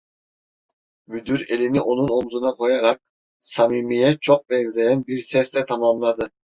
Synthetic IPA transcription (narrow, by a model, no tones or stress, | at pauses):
myd̪yɾe̞liniʔo̞nuno̞mzunɑqʰo̞jɑɾɑq̚ | sɑmimijet͡ʃʰoq̚beŋzejɛnbiɾsest̪ɛt̪ʰɑmɑmlˠɑd̪ɯ